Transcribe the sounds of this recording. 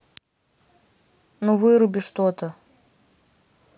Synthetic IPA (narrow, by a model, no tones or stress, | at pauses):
nuvɨɾʊbʲɪʂt̪ot̪ə